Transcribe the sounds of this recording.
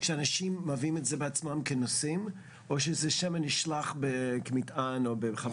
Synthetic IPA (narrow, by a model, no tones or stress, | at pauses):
kʃəanaʃimːavimɛtzɛbəat͡smamkʰənosĩm | oʃ̬əzɛʃamanɪʃlaχbəkmitanobəχa